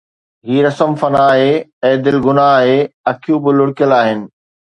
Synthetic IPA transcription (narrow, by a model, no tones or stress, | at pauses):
ɦiːɾɐsəmfɐnaːɦeɛ̃ːd̪ɪlɡʊnaːɦeɐkʰijũbɪlʊɽɪkjəlaːɦɪnɪ̆